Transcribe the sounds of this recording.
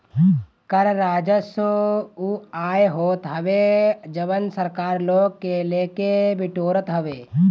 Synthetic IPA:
kəɾɾaːd͡ʒəsouaːjɦoːt̪ɦɐʋed͡ʒəbənsəɾkaːɾloːɡ̚keleːkebɪʈoːɾət̪ɦəʋeː

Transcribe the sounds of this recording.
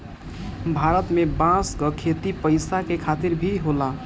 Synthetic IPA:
bʱaɾət̪mebãskəkʰet̪ipəɪsakekʰat̪iɾbʱiɦola

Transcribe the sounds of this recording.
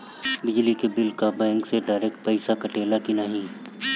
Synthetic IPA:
bɪd͡ʒlikebɪlkabɛ̃ːŋkseɖaːɾeːk̚ʈ̚pɐɪsakɐʈeːlakinaɦĩ

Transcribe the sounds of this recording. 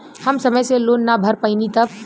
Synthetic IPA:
həmsɐməjseloːnːabʱəɾpəɪnit̪ək̚

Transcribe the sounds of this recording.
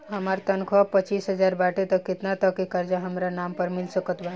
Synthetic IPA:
ɦəmaɾt̪ənkʰɔpət͡ʃiːsɦəd͡ʒaɾbaʈet̪ɔkɪt̪nat̪ɔkikəɾd͡ʒaɦəmɾanampəɾmɪlsəkət̪ba

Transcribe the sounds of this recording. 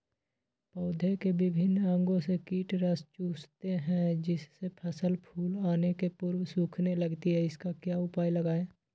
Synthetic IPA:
pɔːd̪ʱekebɪbʱɪnːə̃ŋɡõsekiːʈɾəst͡ʃuːst̪eɦɛ̃d͡ʒɪsːepʰəsəlpʰuːlaːnekepʊɾwsuːkʰneləɡt̪iɦɛɪskakjaːʊpaːiləɡaːẽː

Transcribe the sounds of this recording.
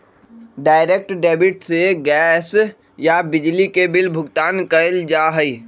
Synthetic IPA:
ɖaːɪɾek̚ʈɖeːbɪʈseɡɛːs | jabɪd͡ʒlikebɪlbʱʊɡt̪aːnkəəld͡ʒaːɦəi

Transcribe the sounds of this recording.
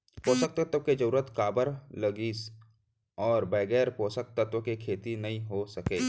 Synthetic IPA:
poːsək̚t̪ət̪əked͡ʒɐɾuːɾət̪kaːbəɾlɐɡiːs | ɔːɾbɛːɡɛːɾpoːsək̚t̪ɐt̪wəkekʰeːt̪inɐɦĩɦosɐkeː

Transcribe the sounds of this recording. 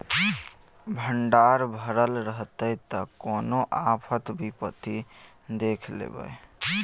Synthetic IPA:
bʱəɳɖaɾbʱəɾəlɾəɦt̪əjt̪əkonoʔapʰət̪bʱipət̪i | d̪ekʰlḛbə̰j

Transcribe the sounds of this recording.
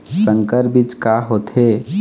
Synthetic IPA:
səŋkəɾbit͡ʃkaɦot̪ɦe

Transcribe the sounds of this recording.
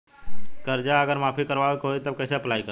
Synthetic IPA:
kəɾd͡ʒaəɡəɾmaːpʰikəɾʋaekɦoit̪əb̚kəɪseəplaikəɾ

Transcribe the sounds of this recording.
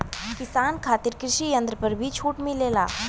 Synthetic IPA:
kɪsaːnkʰaːt̪ɪɾkɾɪʃijə̃nd̪ɾəpɐɾbʱit͡ʃʰuːʈmẽleːlaː

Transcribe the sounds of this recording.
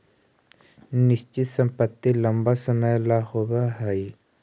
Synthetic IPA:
nɪst͡ʃit̪sə̃mpət̪ːilɐmbasəməjlahobaɦai

